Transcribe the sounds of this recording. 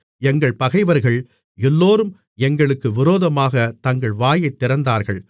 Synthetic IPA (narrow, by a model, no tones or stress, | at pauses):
ɛŋɡɐɭpɐɣɐɪʋɐɾɣɐɭ | ɛlːoːɾɯm | ɛŋɡɐɭɯkːɯʋɪɾoːðɐmaːɣɐt̪ɐŋɡɐɭʋaːjɐɪt̪ːɪɾɐnd̪aːɾɣɐɭ